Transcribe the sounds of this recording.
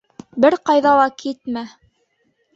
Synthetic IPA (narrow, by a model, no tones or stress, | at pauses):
bɘɾqɑjðɑlˠɑkʰit̪mæ